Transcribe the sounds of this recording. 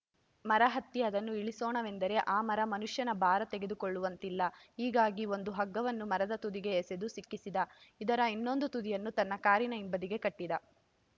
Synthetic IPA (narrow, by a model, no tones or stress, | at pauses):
mɐɾɐɦɐt̪ːiɐd̪ɐnːuiɭisoːɳɐʋe̞nd̪ɐɾe̞ʔaːmɐɾɐmɐnuʂjɐnɐbʱaːɾɐt̪e̞ɡed̪ukoɭːuʋɐnt̪ilːɐiːɡaːɡio̞nd̪uɦɐɡːɐʋɐnːumɐɾɐd̪ɐt̪ud̪iɡe̞ːsed̪usikːisid̪ɐid̪ɐɾɐinːo̞nd̪ut̪ud̪ijɐnːut̪ɐnːɐkaːɾinɐimbɐd̪iɡe̞kɐʈːid̪ɐ